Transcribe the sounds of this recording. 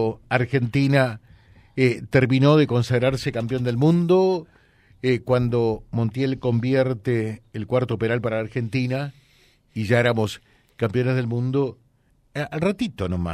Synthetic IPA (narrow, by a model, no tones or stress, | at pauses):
aɾxe̞nt̪ina | et̪eɾmĩno̞ðe̞ko̞nsaɣɾaɾsekampjo̞nd̪e̞lmũnd̪o | ekwand̪omõnt̪jelko̞mbjɛɾt̪eːlkwaɾt̪opeɾalpaɾaːɾxe̞nt̪ina | iʒaeɾamo̞s | kampjo̞nezðelmũnd̪o | alrat̪it̪onoma̰